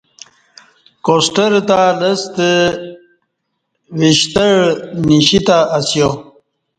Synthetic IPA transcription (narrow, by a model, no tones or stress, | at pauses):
kosʈəɾt̪aləst̪ə | wiɕt̪əɻɽniɕit̪aːsjo